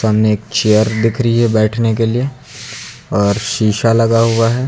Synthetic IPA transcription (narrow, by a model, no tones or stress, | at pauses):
əmneeːkt͡ʃejəɾd̪ɪkʰɾəiɦɛbɛːʈʰnekelie | ɔːɾʃiːʃalɐɡaɦuaɦɛː